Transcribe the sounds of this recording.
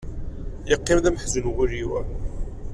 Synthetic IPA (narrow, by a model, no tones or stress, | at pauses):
jəqːimðæməħzənɣʊɾiwæ